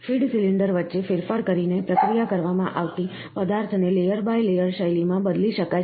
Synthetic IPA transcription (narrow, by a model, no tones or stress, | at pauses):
fiɖsiliɳɖəɾʋətːʃefɪɾfaɾkəɾinepɾəkɾijakəɾʋamãʔaʋt̪i | pəd̪aɾt̪ʰnelejəɾbajlejəɾʃəjlimãbəd̪liʃəka